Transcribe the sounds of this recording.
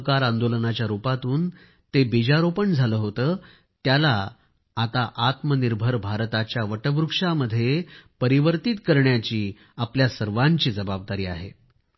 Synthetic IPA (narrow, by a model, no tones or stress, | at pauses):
kaɾand̪olənat͡ɕjaɾupat̪uːn | t̪ebid͡ʑaɾopəɳd͡zʱaləːɦot̪əː | t̪jalaː | t̪aʔat̪məniɾbʱəɾbʱaɾt̪at͡ɕjaʋəʈəʋɾukʂaməd̪ʱːjepəɾiʋəɾt̪it̪kəɾɳjat͡ɕiː | apljasəɾʋaɲt͡ɕiːd͡zəbab̚d̪aɾiːa̰ɦḛ